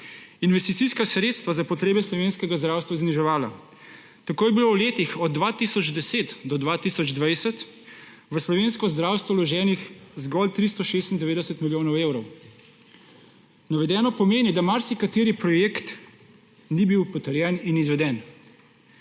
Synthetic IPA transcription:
inʋɛst̪it̪siskasɾeːt̪st̪ʋazapɔt̪ɾeːbɛslɔʋeːnskɛɡazd̪ɾaːwst̪ʋazniʒɛʋaːla̰ | t̪akoːjɛbilowleːt̪ixɔd̪̚dːʋat̪isɔd͡ʒd̪ɛseːt̪d̪ɔd̪ʋat̪iːsɔd͡ʒd̪ʋajsɛt̪ | ʋəslɔʋeːnskɔzd̪ɾaːwst̪ʋɔwlɔʒɛːnixzɡɔlt̪ɾist̪ɔʃeːst̪ind̪ɛʋeːd̪ɛsət̪miljoːnɔweːwɾɔw | naʋɛd̪ɛːnɔpɔmeːnɛd̪amaɾsikat̪eːɾipɾɔjekt̪ | nibiwpɔt̪əɾjɛninizʋɛd̪ɛn

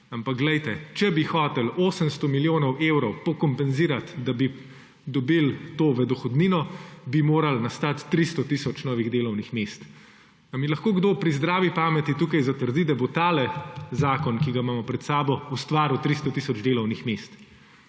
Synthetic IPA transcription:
ampakɡlɛjt̪ɛt͡ʃɛbixɔːt̪ɛloːsəmst̪ɔmiljoːnɔwʔewɾɔwpɔkɔmpɛnziːɾat̪d̪abi | d̪ɔbilt̪oːʋəd̪ɔxɔd̪niːnɔbimoːɾalnɐst̪at̪ːɾist̪ɔt̪isɔt͡ʃnɔːʋiɣd̪eːlɔwnixmeːst̪ | ɐmilɐxkoːɡd̪oːpɾizd̪ɾaːʋipaːmɛt̪it̪uːkajzat̪əɾd̪id̪abot̪aːlɛzaːkɔnkiɡamaːmɔpɾɛt̪saːbɔust̪ʋaːɾut̪ɾist̪ɔt̪iːsɔd͡ʒd̪eːlɔwnixmest̪

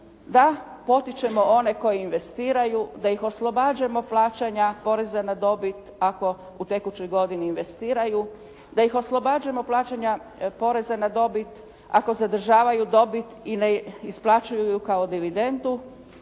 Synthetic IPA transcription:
d̪apo̞t̪it͡ʃe̞mo̞o̞ne̞ko̞jiːnʋe̞st̪iːɾajud̪aixo̞slˠo̞baːd͡ʑamo̞plˠaːt͡ʃaɲapo̞ɾe̞zanad̪o̞bit̪ako̞ | ut̪e̞kut͡ɕojɡo̞d̪iniːnʋe̞st̪iːɾaju | d̪ajixo̞slˠo̞bad͡ʑemo̞plˠaːt͡ɕaɲapo̞ɾe̞zanad̪o̞bit̪ | a̰ko̞zad̪r̩ʒaːʋajud̪o̞bit̪ineisplˠat͡ʃujujukao̞d̪iʋid̪e̞nd̪u

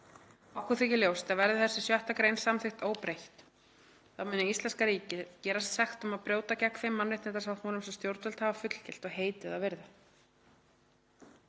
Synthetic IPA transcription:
awkʰʏθɪcɪljowst̪avɛɾðɪθɛsːɪsjœht̪akɾejnsamθɪxt̪oːwpɾejht̪ | θawmʏːnːɪist̪ɛnskaɾiːcɪcɛːɾast̪sɛxt̪ʏmaðpɾjoːwt̪acɛkːfɪjmːanːvɪht̪ɛt̪asawt̪huːnʏmsɛmst̪jowɾt̪vœlt̪havafʏt̪l̥cɪl̥t̪ɔɣɦeːjt̪ɪðaðvɪɾða

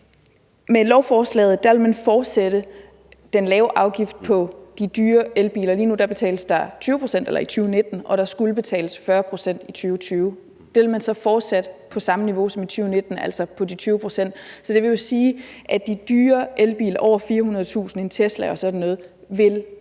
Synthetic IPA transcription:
melɒʊfɒːslɛ̰ːð̩ˠd̥æʋe̝lmænfɒːd̥seɾ̥ə | d̥enlɛːʊʔɑ̈ʊɡ̥ifd̥̚pʰɒ̽d̥id̥yːɐelb̥ḭːlɐliːnud̥ɑ̈b̥e̝t͡sʰɛ̰ːləsd̥ɑ̈t͡sʰyːʊpʰʁo̝sen̰d̥elɐit͡sʰyːʊne̝d̥n̩ʔɒ̽ɾ̥ɑ̈sɡ̥uləb̥e̝t͡sʰɛ̰ːləsfɶɐpʰʁo̝sen̰d̥it͡sʰyːʊt͡sʰyːʊ | d̥eʋelmænsɒ̽fɒːd̥sæd̥əpʰɒ̽sɑ̈məniʋo̝sɒ̽mit͡sʰyːʊne̝d̥n̩æl̰sɒ̽pʰɒ̽dit͡sʰyːʊpʰʁo̝̥sen̰d̥sɒ̽d̥e̝ʋe̝jo̝siːʔæd̥id̥yːɐʔelb̥ḭːlɐʔɒʊ̰ɐfiːɐhunɐðˠt͡sʰṵːsn̩e̝nt͡sʰesd̥lɛ̰ɒ̽sɒ̽d̥n̩ːɔ̽ːð̞̩ˠ | ʋe̝l

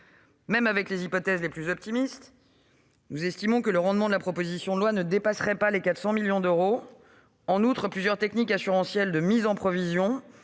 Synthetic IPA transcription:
mɛmavɛklezipɔt̪ɛzleplyzɔp̚t̪imist̪ | nuzɛst̪imɔ̃kələʁɑ̃d̪mɑ̃d̪əlapχɔpozisjɔ̃d̪əlwanəd̪epasχɛpalekat̪χsɑ̃miljɔ̃d̪øʁo | ɑ̃nut̪χəplyzjœʁt̪ɛknikasyʁɑ̃sjɛld̪əmizɑ̃pχɔvizjɔ̃

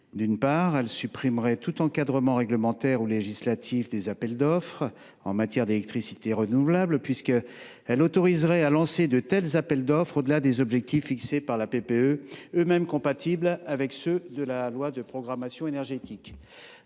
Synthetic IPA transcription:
d̪ynpaʁɛlsypχimʁɛt̪ut̪ɑ̃kad̪ʁəmɑ̃ʁɛɡləmɑ̃t̪ɛʁuleʒislat̪ʰifd̪ezapɛld̪ɔfχ | ɑ̰̃mat̪jɛʁd̪elɛk̚t̪χisi̥t̪eʁənuvlablpɥiskə | ɛlot̪ɔʁizʁɛalɑ̃sed̪ət̪ɛlzapɛld̪ɔfχod̪əlad̪ezɔbʒɛk̚t̪ifːiksepaʁlapepeøømɛmkɔ̃pat̪ʰiblavɛksød̪əlalwad̪əpχɔɡʁamasjɔ̃enɛʁʒet̪ik

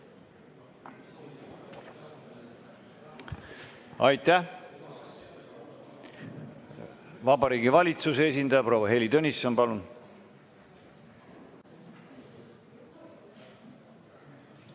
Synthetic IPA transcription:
ɑjt̪æ | vɑbɑɾiːɡivɑlʲit̪susees̬ʲind̪ɑjɑpɾo̞wɑɦe̞lit̪ønʲisːonpɑlun

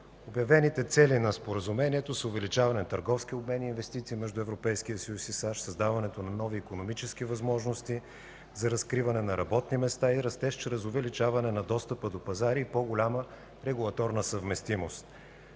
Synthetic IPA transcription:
objɐvɛnit̪ɛt̪sɛlinɐspoɾəzumɛniɛt̪osʊvɛlit͡ʃavɐnɛt̪əɾɡɔfsk̟iobmɛniːnvɛst̪it̪siːmɛʒd̪ʊɛvɾopɛjskiəsəjusisaʃsɐzd̪avɐnɛt̪onɐnɔviːkonomit͡ʃɛskivɐzmɔʒnost̪i | zɐɾɐskɾivɐnɛnɐɾɐbɔt̪nimɛst̪aiɾɐst̪ɛʃt͡ʃɾɛzʊvɛlit͡ʃavɐnɛnɐd̪ɔst̪əpəd̪opɐzaɾiːpɔɡʊlʲamə | ɾɛɡulˠɐt̪ɔɾnəsəvmɛst̪imost̪̚

